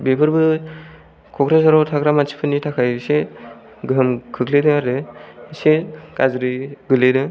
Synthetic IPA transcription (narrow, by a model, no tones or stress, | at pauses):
bepʰɯɾbɯ | kʰɔkɾasaɾawtʰakɾamasʰi̥pʰɯnːitʰakʰajse | ɡɯɯmkʰɯkledɯaɾdɯsekazɾiɡɯledɯ